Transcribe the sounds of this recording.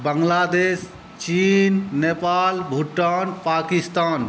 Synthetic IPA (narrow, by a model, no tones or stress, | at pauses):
bəŋlaːd̪es | t͡ʃinːepaːlbʱuʈːanpaːkist̪aːn